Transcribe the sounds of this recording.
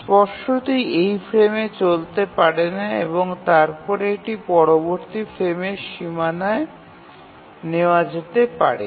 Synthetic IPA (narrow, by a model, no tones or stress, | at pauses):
spɔʃot̪ejejfɾemet͡ɕolt̪epaɾenaeβoŋt̪aɾpɔɾeekʈipɔɾoboɾt̪ifʰɾemeɾʃimanae | neoad͡ʑet̪epa̰ɾḛ